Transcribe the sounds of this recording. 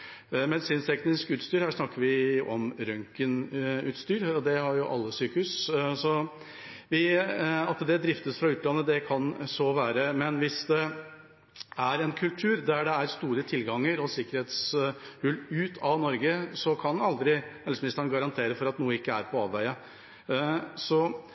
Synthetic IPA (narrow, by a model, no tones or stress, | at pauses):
mɛd̪ɪsiːnst̪ʰɛknɪskʉːt̪st̪yːɾhæːʂnɑkːəɾʋɪɔmɾœŋkənʉ̰ːt̪st̪yːɾɔd̪ɛhɑɾjʊʔɑ̰lːəsyːkəhʉssɔ | ʋɪɑt̪d̪ɛd̪ɾɪft̪əsfɾɑʉːt̪lɑnːəd̪ɛkʰɑnsɔʋæːɾəmɛnʋɪsd̪ɛ | æɾɛnkʰʉlt̪ʰʉːɾd̪æɖɛæɾst̪uːɾət̪ʰɪlɡɑŋːəɾɔsɪkəɾheːt̪shʉlʉːt̪ʰɑʋnɔɾɡəsɔkʰɑnɑld̪ɾɪhɛlsmɪnɪst̪əɳnɡɑɾɑnt̪ʰeːɾəfɔɾɑt̪nuːəɪkːəæɾpʰɔɑ̰ːʋʋæɪə | sɔ